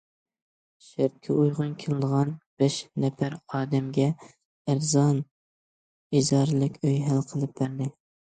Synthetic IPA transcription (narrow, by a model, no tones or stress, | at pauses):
ʃɪɾ̚kʲʰɛujʁʊnkʲʰelˠɨd̪əʁɑnb̥ɛʃnɛpæɾɑːd̪ɛmɡʲɛ | æɾzɑn | izɑɾlˠɨkʲøjɦælqʰəlˠɨp̚bæɾd̪ɪ